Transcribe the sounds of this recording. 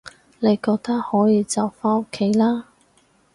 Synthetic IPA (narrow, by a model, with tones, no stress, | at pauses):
ne˨˧jkɔː˧k̚t̪ɐ˥k̚hɔː˨˥jiː˨˧t͡sɐ˨wfaː˥no˥kʰːe˨˥jlaː˥